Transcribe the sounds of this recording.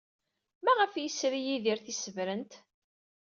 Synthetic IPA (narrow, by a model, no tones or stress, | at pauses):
mæʁəfjəsɾijiðiɾθisəvɾənt̪